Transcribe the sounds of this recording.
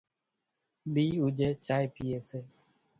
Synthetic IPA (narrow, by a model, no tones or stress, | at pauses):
biud͡ʒet͡ʃajpiese